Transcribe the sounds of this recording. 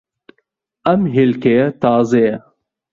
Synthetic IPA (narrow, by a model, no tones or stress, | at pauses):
ɐmɦelkejɐt̪ɑːzɐjɐ